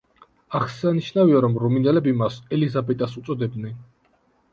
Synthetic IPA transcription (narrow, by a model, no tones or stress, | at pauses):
aχsaniʃnaviaɾɔmɾɔminɛlɛbimasɛlizabɛt̪ʼasut̪sʼɔd̪ɛbnɛn